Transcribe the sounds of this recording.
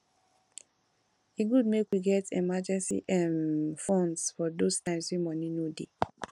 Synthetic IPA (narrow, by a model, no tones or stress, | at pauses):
iɡud̚mekwiɡɛtemad͡ʒɛ̃nsḭʔɛ̃nfɔ̃nsfɔdostãɪ̃mswimɔ̃ninodḛ